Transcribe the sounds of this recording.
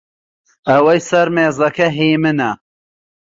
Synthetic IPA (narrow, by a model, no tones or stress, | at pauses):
ɐwɐjsɐɾmeːzɐkɐɦiːmɨnɐ